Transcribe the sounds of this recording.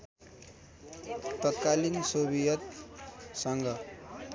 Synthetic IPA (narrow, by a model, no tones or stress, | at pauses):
t̪ʌt̪kalinsobijʌt̪sʌŋɡʌ